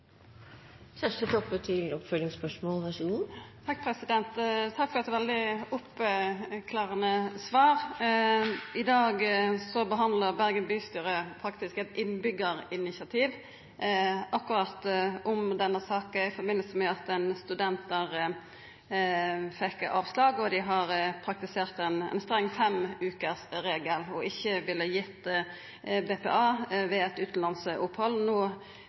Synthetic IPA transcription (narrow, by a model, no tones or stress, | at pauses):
sæʂʈət̪ʰɔpːət̪ʰɪlɔpfœlɪŋspœʂmoːlʋæʂuːt̪ʰɑk̚ːpʰɾɛsɪd̪ɛnt̪t̪ʰɑkːfɔɾɑt̪ːɛːʋɛld̪ɪʊp | kʰlɑːʁənəsʋɑːʁ | ɪd̪ɑːɡsɔbəɦɑnd̪ləʁbæʁɡənbyːst̪yːɾəpʰɾɑkt̪ɪskɛt̪ɪnbʏɡːəɾɪnɪsɑt̪ʰiːʋ | ʔɑkʉɾɑt̪ʔʊmd̪ɛnːəsɑːkəɪfɔbɪnəlsəmɛɑt̪ɛnst̪ʉd̪ɛnt̪əʁ | fɛkːɑːʋslɑːɡɔd̪ɪɦɑɾpʰɾɑk̚t̪ɪseːʁt̪ɛnɛ̰nst̪ʁɛŋːfɛmʉːkəʁsɾeːɡəlɔɪçːəʋɪlːəjɪt̪ː | beːpɛ̰ːɑːʋɛɛt̪ʉːt̪n̩lɑnsʊphɔlnoː